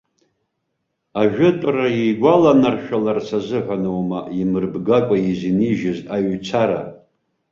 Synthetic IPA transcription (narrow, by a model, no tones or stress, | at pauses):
aʒᶣʊtʼraejɡʷalanarʃᶣalarsazɨħʷanowmaimɨrbɡakʷʼaiziniʒɪzaɥt͡sʷʰaɾa̰